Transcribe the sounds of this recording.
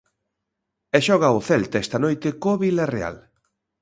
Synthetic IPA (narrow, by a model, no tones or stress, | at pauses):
ɛʃɔɣ̞aʊθɛlt̪aɛst̪ɐnojt̪ekoβilarea̰l